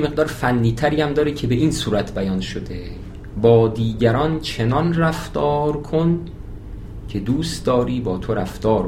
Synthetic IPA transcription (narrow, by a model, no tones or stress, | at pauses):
eme̞ɣd̪ɒːɾfænːiːt̪ʰæɾiːæmd̪ɒːɾecʰe̞be̞ʔiːnsuːɾæt̪ʰbæjɒnʃod̪e | bɒːd̪iːɟæɾɒnt͡ʃʰe̞nɒnræft̪ɒːɾkʰon | cʰe̞d̪uːst̪d̪ɒːɾiːbɒːt̪ʰoɾæft̪ɒːɾ